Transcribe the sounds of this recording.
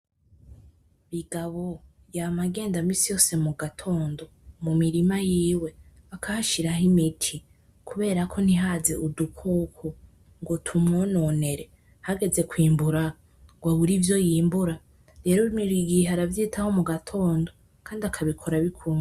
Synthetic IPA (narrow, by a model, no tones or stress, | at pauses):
βiɡaβo̞ | jamaɡe̞ːndamiːsijo̞ːse̞muɡatʰo̞ːndo̞mumiɾimajiːwe̞akʰahaʃiɾaɦimitʰi | kʰuβe̞ːɾakʰo̞n̥iɦaze̞ʔudukʰokʰo | ŋɡotʰumŋonone̞ɾe̞ | haɡe̞ze̞kwiːmbuɾa | ɡ̥waβuɾivjo̞jiːmbuɾa | ɾe̞ːɾoimiɾiɡiɦaɾavjiːtʰaho̞muɡatʰo̞ːndo̞ | kʰaːndiakʰaβikʰo̞ɾaβikʰuːŋɡ